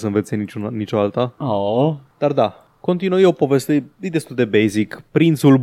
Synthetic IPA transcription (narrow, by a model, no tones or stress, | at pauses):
səɨnve̞t̪sʲenit͡ʃunnit͡ʃo̞alt̪aod̪̥ard̪a | ko̞nt̪inujeopo̞ve̞st̪əjejd̪e̞st̪uld̪e̞bejzikpɾint̪sul